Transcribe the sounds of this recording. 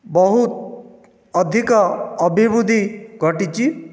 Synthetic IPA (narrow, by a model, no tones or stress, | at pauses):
bɔɦut̪ | ɔd̪ʱikɔːbʱibud̪ʱiɡʱɔʈit͡ʃi